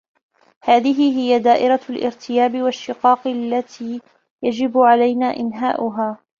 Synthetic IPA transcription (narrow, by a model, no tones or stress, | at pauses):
haːðɪɦɪɦɪjad̪aːʔɪɾˤalʔɪ̰ɾt̪ʰɪjaːbɪwaʃːɪqɑːqlːat̪ʰiː | jad͡ʒɪbʕalajnaːʔɪnɦa̰ːʔʊɦaː